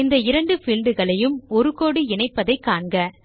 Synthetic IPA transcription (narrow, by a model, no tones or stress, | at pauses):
ɪnd̪ɐɪɾɐɳɖɯfɪlɖɯɣɐɭɐjɯmɔɾɯkoːɽiɛɳɐɪpːɐðɐɪkːaːɳɡɐ